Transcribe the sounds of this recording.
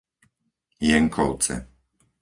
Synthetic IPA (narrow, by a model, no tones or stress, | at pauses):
jɛŋkʰɔw̪t͡sɛ̰